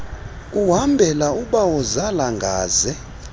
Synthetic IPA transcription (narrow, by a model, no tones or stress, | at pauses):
uɦambʱɛlauɓawɔzalaŋɡʱaːzɛ